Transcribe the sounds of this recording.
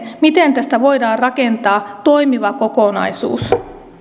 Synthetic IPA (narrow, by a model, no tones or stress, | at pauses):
mit̪e̞nt̪æst̪æʋo̞jdɑːrrɑke̞nt̪ɑːt̪o̞jmiʋɑko̞konɑ̰jsṵːs